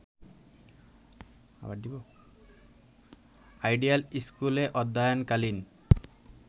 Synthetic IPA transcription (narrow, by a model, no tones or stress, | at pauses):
a̰bad̪ibɔ | ajɖialiskuleʔɔd̪ːajɔnkalin